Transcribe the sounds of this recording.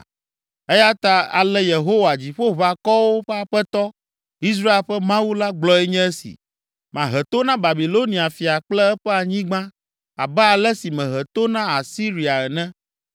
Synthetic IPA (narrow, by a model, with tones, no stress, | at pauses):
ɛ˦ja˦t̪a˦a̰˨lɛ˦je˨ɦo˦wa˨d͡ʑi˨ɸo˦βa˨kɔ˦wo˦ɸɛ˦a˨ɸɛ˦t̪ɔ˦ | i˦s̬ɾa˦e˨lɸɛ˦mã˦wu˦la˦ɡ͡blɔ˦ɛ˦ɲɛ̃˦ɛ˦sḭ˨ | mã˨ɦɛ˨t̪o˦nã˦ba˨bi˨lo˦nĩ˨a˨fi˨a˨k͡plɛ˦ɛ˦ɸɛ˦a˨ɲĩ˦ɡ͡bã˦ | a̰˨bɛ˦a˨lɛ˦si˨mɛ̃˨ɦɛ˨t̪o˦nã˦a˨si˦ɾi˨a˨ɛ˨nɛ̃˦